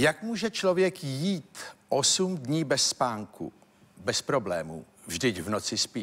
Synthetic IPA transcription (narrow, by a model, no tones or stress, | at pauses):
jakmuːʒɛt͡ʃlovjɛkjiːt̪ʔo̞sumdɲiːbɛsːpaːŋkṵ | bɛspɾo̞blɛːmṵ | vʒdɪcvno̞t͡sɪspiː